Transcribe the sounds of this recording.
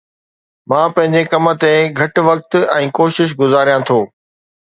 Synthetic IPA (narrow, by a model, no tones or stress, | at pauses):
mãːpɐ̃ɦɪ̃ɲd͡ʑekɐmə̆t̪eɡʱɐʈ̆ʋɐk̚t̪ɛ̃ːkoːʃɪʃ̬ɡʊzaːɾijãt̪ʰoː